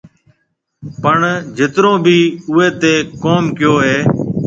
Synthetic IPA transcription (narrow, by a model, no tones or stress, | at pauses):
pəɳd͡ʒɪt̪ɾõːbʱiːʊeːt̪eːkoːmkɪjoːɦeː